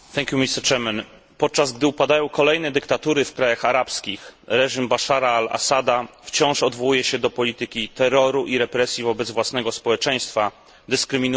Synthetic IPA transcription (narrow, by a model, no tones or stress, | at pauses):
θɛŋkʲjumʲist̪ɛɾt͡ʂɛmɛn | pɔt̪̚t͡ʂazɡd̪ɘupad̪ajɔ̃w̃kɔlɛjnɛd̪ɘkt̪at̪uɾɘfkɾajaxaɾapskʲixɾɛʐimbaʂaɾaalʔa̰sad̪aft͡ɕɔ̃w̃ʂɔd̪vɔwujɛɕɛd̪ɔpɔlʲit̪ɘkʲit̪ɛɾɔɾuʔiɾɛpɾɛsʲjivɔbɛd̪zvwasnɛɡɔspɔwɛt͡ʂɛj̃st̪fa | d̪ɘskɾɘmʲinu